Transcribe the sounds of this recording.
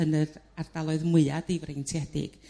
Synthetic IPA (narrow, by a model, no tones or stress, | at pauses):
ənɨðard̥alˠɔɨðmʊɨadijvrejntʰiɛdɪ̰ɡ̥